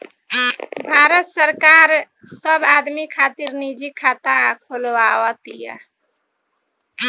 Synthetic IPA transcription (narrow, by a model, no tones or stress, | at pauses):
bʱaɾət̪səɾkaɾ | səbad̪mikʰat̪iɾnid͡ʒikʰːat̪akʰolwawət̪ija̰